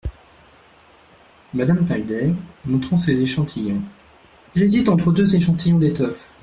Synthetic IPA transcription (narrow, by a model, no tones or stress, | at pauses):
mad̪ampald̪ɛʁmɔ̃t̪χɑ̃sezeʃɑ̃t̪ʰijɔ̃ | ʒezit̪ɑ̃t̪χəd̪øzeʃɑ̃t̪ʰijɔ̃d̪et̪ɔf